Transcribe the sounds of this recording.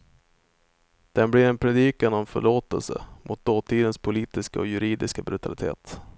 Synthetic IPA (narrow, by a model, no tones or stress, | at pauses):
d̪̥ɛnblɪɾɛnpʰɾɛd̪iːkanɔmfœ̰ɭoːt̪ə̰lsə̰mʔʊt̪̚d̪oːt̪ʰiːd̪ənspʰʊliːt̪ɪskaɔjɵɾiːd̪ɪskabɾɵt̪ʰalɪt̪ʰḛːt̪